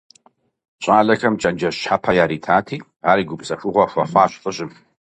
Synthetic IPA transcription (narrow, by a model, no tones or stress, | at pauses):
ɕʼaːɮɐxʰɐmt͡ʃʼɐnd͡ʒɐʃħapʰɐjaːɾiːtʰaːtʰiː | aːɾiːɡʷʊpsɐfʷʊʁʷɔxʷɐ̰χʷaːɕfʼɨɕʼɪm